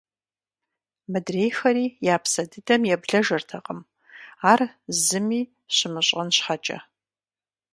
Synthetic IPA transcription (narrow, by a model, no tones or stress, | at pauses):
mɨdrejxɐɾiːjaːpʰsɐdɨdɐmjɛbɮɐʒɐrtʰɐqʼəm | aːrzɨmiː | ɕɪmɨɕʼɐnɕħat͡ʃʼɐ̰